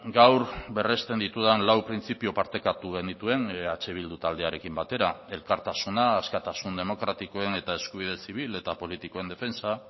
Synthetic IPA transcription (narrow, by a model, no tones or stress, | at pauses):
ɡawɾbe̞re̞st̪e̞nd̪it̪uðanlawpɾint͡sipio̞paɾt̪e̞kat̪uɣe̞nit̪ue̞nat͡ʃe̞β̞ild̪ut̪ald̪e̞aɾe̞kimbat̪e̞ɾae̞lkaɾt̪asunaːskat̪asund̪e̞mo̞kɾat̪iko̞e̞ne̞t̪ae̞skuβ̞ið̞e̞siβ̞ile̞t̪apo̞lit̪iko̞e̞nd̪e̞fe̞nsa